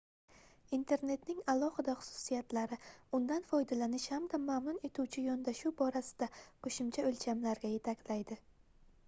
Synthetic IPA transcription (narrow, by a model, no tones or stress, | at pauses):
int̪ʰe̞ɾne̞t̪nɪŋalˠɒhɪd̪aχʊ̥sʊ̥sijat̪laɾɪʊnd̪anfɒjd̪alanɪʃhamd̪amamnʊne̞t̪ʰuwt͡ʃʰɪjɒnd̪aʃubɒɾasɪ̥d̪̥aqʰoʃɪmt͡ʃʰaɵlt͡ʃʰamlaɾɡʲaje̞t̪ʰakʲlajd̪ɪ